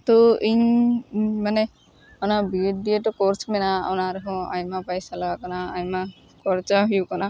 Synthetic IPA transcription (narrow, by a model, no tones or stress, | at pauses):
t̪ɔiɲ | manɛ | ɔnabiɖieʈɔkɔɾsmɛnaɔ̰naɾɛɦɔ̃a̰jmapajsalaakanaajma | kɔɾt͡ʃaɦujukana